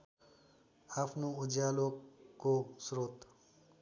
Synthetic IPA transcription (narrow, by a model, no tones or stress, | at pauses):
apʰnuud͡ʒaːlokosɾot̪